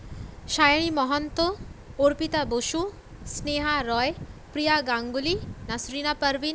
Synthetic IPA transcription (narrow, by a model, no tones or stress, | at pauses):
ʃajɽ̃imɔɦɔnt̪ooɾpit̪aboʃu | sneɦaɾɔjpɾijaɡãŋɡulinasɾinapəɾʋi